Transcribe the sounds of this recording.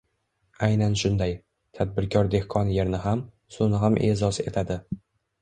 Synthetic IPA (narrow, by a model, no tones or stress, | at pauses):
ajnanʃʊnd̪aj | t̪ʰad̪̚bɪɾkʲʰɒɾd̪e̞hkʰɒnje̞ɾnɪɦam | sʊnɪɦamʔe̞zɒse̞̰t̪ʰad̪ɪ